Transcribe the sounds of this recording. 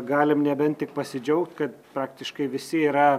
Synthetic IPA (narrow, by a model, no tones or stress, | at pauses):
ɡɑːlʲɪmnʲɛbʲɛnt̪t̪ʲɪk̚pɐsʲɪd͡ʒʲɛʊkt̪kɐt̪pɾɑːkt̪ʲɪʃkɐɪʋʲɪsʲɪiːɾɐ